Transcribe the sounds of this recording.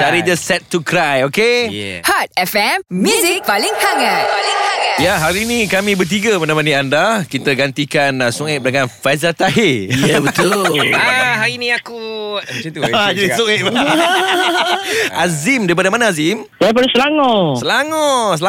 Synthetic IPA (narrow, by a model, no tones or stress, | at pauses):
t͡ʃaɾid͡ʒəsɛt̪ːukɾajokejɛ̰hat̪̚ɛfɛmmjuzik̚paliŋhaŋatalɪŋaŋajaɦaɾinĩkamĩbət̪̬iɡamanamanĩandakit̪əɡant̪ikansuŋɪʔ̚bənaŋanfazat̪aɦejabət̪ʊaɦaɾinĩakumt͡ʃut̪uad͡ʒadisueʔ̚ba | azimdaɾipadamanaazim | sajap̬ənasəlaŋɔsəlaŋɔsəla